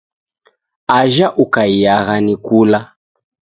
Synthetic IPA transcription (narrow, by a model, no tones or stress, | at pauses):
aʒaʔukaijaɣanikula